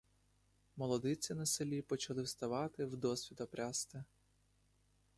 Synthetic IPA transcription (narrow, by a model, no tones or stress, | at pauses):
mɔlˠɔd̪ɪt͡sʲɪnɐsɪlʲipɔt͡ʃɐlˠɪwst̪ɐʋɑt̪ɪwd̪ɔsʲʋʲid̪ɔpɾʲast̪ɪ